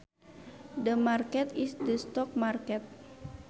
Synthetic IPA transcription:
dəmarkɛt̪isdəst̪ɔk̚markɛt̪̚

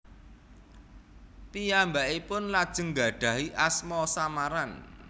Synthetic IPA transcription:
pijambaipʊnlad̥ʒ̥ə̤ŋɡa̤ɖ̥ä̤ɦiʔasmɔsamaɾan

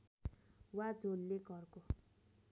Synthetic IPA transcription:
wad͡zʱolːeɡʱʌrko

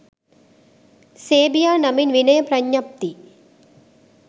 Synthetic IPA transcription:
seːbijaːnɐminʋinɐjɐpɾɐɲːɐp̚t̪i

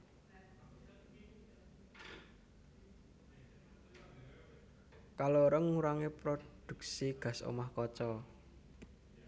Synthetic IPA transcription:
kaloɾəŋuɾaŋepɾod̪̥ṳk̚siɡ̥ä̤so̰mahkɔt͡ʃɔ

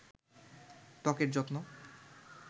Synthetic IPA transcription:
ʈɔkeɾd͡ʑot̪no

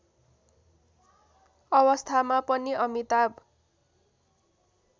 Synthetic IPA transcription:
ʌwʌst̪ʰamapʌniʔʌmit̪ab

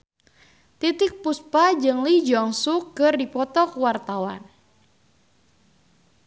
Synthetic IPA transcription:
t̪it̪ɪk̚puspad͡ʒɨŋlid͡ʒɔŋsukːɨrdipɔt̪ɔkuwart̪awan

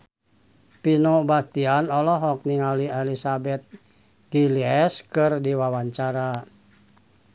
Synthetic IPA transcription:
pinobast̪ianɔlɔɦɔk̚niŋalielisabɛt̪̚ | ɡ̥iliɛskɨrdiwawaɲt͡ʃaɾa

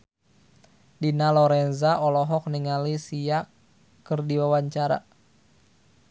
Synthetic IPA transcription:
dinalɔɾɛnzaɔlɔɦɔk̚niŋalisijakː | ɨrdiwawaɲt͡ʃaɾa̰

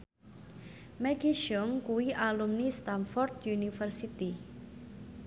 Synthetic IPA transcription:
mɛɡiʃɔŋkuwiʔalumnist̪anfɔrd̪̚junifərsit̪i

